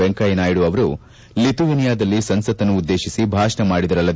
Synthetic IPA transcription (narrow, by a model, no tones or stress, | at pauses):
eŋkɐjɐnaːjiɽuɐʋɐɾu | lit̪uʋinijaːd̪ɐlːisɐnsɐt̪ɐnːuːd̪ːe̞ːʃisibʱaːʃɐɳɐmaːɽid̪ɐɾɐlːɐd̪